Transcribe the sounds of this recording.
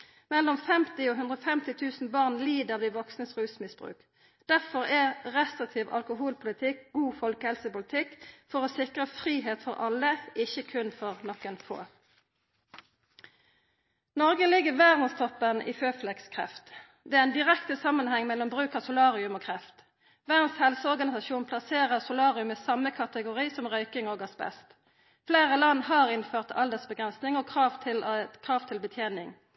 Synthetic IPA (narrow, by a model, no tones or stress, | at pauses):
mɛlːɔmfɛmt̪ɪoːɦʉnd̪ʁɔfɛmt̪ɪt̪ʰʉːsn̩bɑʁnliːd̪əʁd̪iːʋɔksnəsʁʉːsmɪsbʁʉ̰ːk | d̪̥æʁfɔʁɛʁɛst̪ʁɪt̪ʰiːʋɑ̰lkʊɦuːlpʰʊlɪt̪ʰɪkɡ̥uːfɔlkəhɛlsəpʊlɪt̪ʰɪkfɔʁoːsɪkʁəfʁiːɦeːt̪fɔʁɑləɪçəkʰʉnfɔʁnɔkːɛnfo̰ː | nɔʁɡəlɪɡəʁʋæːʁd̪n̩st̪ʰɔpːənʔḭːføːflɛkskʰʁɛ̰ft̪ | d̪ɛææɪnd̪ɪʁɛkt̪əsɑmːənhɛŋːmɛlɔmbʁʉːkɑsʊlɑːʁɪʉmoːkʰʁɛft̪ | ʋæːd̪n̩shɛlsəɔʁɡɑnɪsɑʃuːnpʰlɑseːʁəʁsʊlɑːʁɪʉməsɑmːəkʰɑt̪əɡʊʁiːsɔmʁœʏkɪŋoːɡɑsbɛ̰st̪ | fleːʁəlɑnːhɑːʁɪnføːʁt̪ʰɑ̰ld̪əʁsbəɡʁɛnsnɪŋoːkʰʁɑːʋt̪ʰɪlkʰʁɑːʋt̪ʰɪlbət̪ʰjeːnɪŋ